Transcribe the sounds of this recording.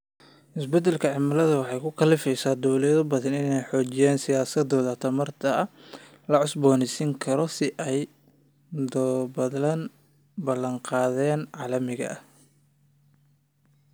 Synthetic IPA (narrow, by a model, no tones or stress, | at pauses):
ʔɪsbɛd̪ɛlkʰɐʕɪmɐlɐðɐwɑħɑjkʰʊkʰɐlɪfɛjsaːd̪ɔwlɛɐðʊbɐðɐnɪnɛjħɔːt͡ʃɪjaːnsɪjaːsɐd̪ɔːðɐt̪ʰɐmɐrt̪ʰɐɐ | lɐʕʊsbɔːnɪsɪŋkʰɐɾɔsɪʔɛj | d̪bɐɐn | bɐlɐŋqɑːðɛːnʕɑːlɐmɪɣɐ̰ʔɐh